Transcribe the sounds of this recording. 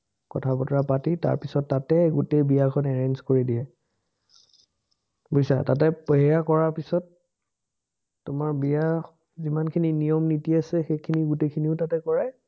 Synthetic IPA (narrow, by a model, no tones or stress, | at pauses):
kɔ̰tʰabɔtɔɹapatita̰ɹpisɔtːatɛɡutejbijakʰɔnɛɹɛnzkoɹidiɛ | bujsa̰tatɛpɔɦɛjakɔɹaɹpisɔt | ʊmaɹbija | zimankʰininijɔmnitiasɛxejkʰiniɡutekʰiniʊtatɛkɔɹa